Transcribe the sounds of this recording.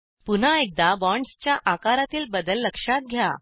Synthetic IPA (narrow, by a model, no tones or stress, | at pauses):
pun̤aek̚d̪abɔɳɖst͡ɕjaʔakaɾat̪iːlbəd̪əlːəkʂat̪̚ɡʱja̰